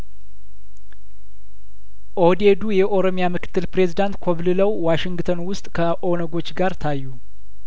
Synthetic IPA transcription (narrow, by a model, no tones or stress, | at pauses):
ʔo̞d̪e̞d̪ujɛʔo̞ɾo̞mjamɨkʰɨ̥t̪ʰːɨlpɾe̞zid̪ant̪kʰoβlɨləwwaʃɪŋɡt̪ʰənwʊst̪ʼkʰəʔo̞nəɡo̞t͡ʃːɡaɾt̪ʰajːu